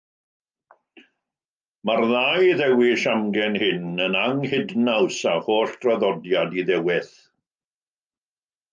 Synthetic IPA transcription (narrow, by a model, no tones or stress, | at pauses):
marðajðɛwɪʃamɡɛnhɪnənaŋhɪdnawsahoːɬd̥rɔðɔdjadiðɛwɪθ